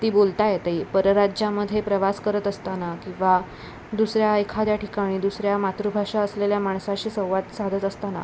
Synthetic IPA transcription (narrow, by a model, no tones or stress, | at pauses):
t̪iːbolt̪ajet̪əipəɾəɾad͡ʑjaməd̪ʱːjepɾəʋaskəɾət̪əst̪anakĩw̃ʋa | d̪usɾjaəjkʰad̪jaʈikaɽ̃iːd̪usɾjamat̪ɾubʱaʂaəsleljamaɳ̃saɕiːsə̃w̃ʋat̪sad̪ʱət̪əst̪ana̰